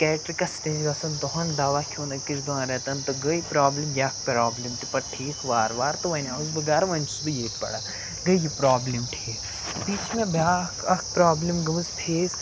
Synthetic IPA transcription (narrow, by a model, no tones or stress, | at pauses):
kɛːʈɾikɐsʈeːd͡ʒɡɐsɐnt̪oɦɐ̃nd̪aːʋakʲʰoːnɐkisɡɐ̃ɾɛt̪ɐnt̪ɐɡɐipɾaːblimjaːk̚ʰpɾaːblimt̪ipɐɾʈʰiːkʋaːɾʋaːɾt̪ɐʋɐnʲazbɐɡaːɾɐʋɐnt͡ʃud̪ujeːt̪pɐ̰ɽa | ɡɐjjipɾaːblimʈʰiːk | biːt͡ʃmẽbʱaːkɐkʰpɾaːblimɡɐmɨzp̪ʰeːs